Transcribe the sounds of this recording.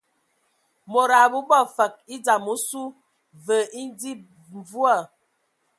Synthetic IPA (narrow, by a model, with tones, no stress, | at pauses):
mo˨ɾa˨bu˦bɔ˦˨fə˨k̚i˦d͡za˨mu˨˦su˦ | və˨ʔi˦n˦di˦ | ɱ˨vu˦a˦˨